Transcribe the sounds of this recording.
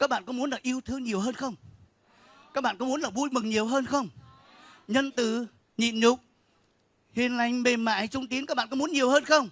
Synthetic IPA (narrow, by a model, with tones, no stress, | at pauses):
kaː˦˥k̚ɓa̰ː˧˨nkɔ˨˧˦mu˨˦ənlaː˨˩ʔi˧əwt̪ʰɨ˧əŋɲi˨˩əwɦəː˧nxə˧wŋ͡m | kaː˦˥k̚ɓa̰ː˧˨nkɔ˨˦mu˨˦ənlaː˨˩vu˧jmɨ˨˩ŋɲi˨˩əwɦəː˧nxə˧wŋ͡m | ɲə˧nt̪ɨ̰˧˨ | ɲḭ˧˨nɲʊ˨˩k͡p̚ | hḭ˨˩ənla˧˩jŋ̟me˨˩ma̰ː˧˥˨jt͡ɕʊ˧ŋ͡mt̪i˨˦nkaː˦˥k̚ɓaː˧˨kɔ˨˦mu˨˦ə˦nɲi˨˩əwhəː˧nxə˧wŋ͡m